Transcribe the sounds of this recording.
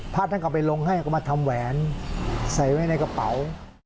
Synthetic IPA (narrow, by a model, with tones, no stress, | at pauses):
pʰaː˥˩t̪̚ʰːa˥˩ka˨˩pa˧jlo˧ŋɦa˥˩jka˥˩maː˧t̪ʰa˧mwɛː˩˦n | sa˨˩jwa˧˩jna˧jka˧pa˩˦w